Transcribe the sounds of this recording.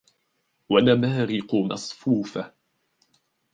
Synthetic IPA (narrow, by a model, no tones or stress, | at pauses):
wanamaːɾɪqʊmɑ̰sˤfuːfa